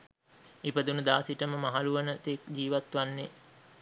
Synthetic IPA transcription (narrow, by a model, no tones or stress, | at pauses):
ipəd̪unud̪aːsiʈəməmaɦaluʋənət̪ekd͡ʑiːʋat̪ʋanːe